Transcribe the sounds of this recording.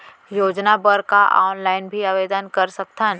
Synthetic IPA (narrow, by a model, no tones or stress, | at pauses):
joːd͡ʒnabəɾkaʔa̰ːnlaːɪnbʱiaʋeːd̪ənkɐɾsək̚t̪ʰən